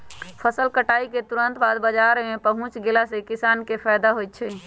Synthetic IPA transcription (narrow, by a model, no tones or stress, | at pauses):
pʰəsəlkəʈaːiket̪uɾə̃nt̪baːd̪bəd͡ʒaɾmẽpəɦʊ̃t͡ʃɡeːlasekɪsaːnkepʰajd̪aɦojt̪̚ːt͡ʃʰɛ